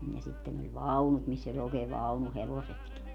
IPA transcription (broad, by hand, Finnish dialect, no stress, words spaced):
jɑ sitːen olʲ ʋɑunut misː olʲ oːkeː ʋɑunuheʋosetki